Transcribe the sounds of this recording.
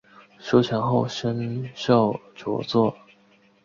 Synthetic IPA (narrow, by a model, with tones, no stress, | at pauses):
ɕo˥ʊt͡ɕʰjɛ˧˥nxo˥˩ʊɕə˥nʂɑ˥˩ʊʈ͡ʂɔ̰˧˥t͡swɔ˥˩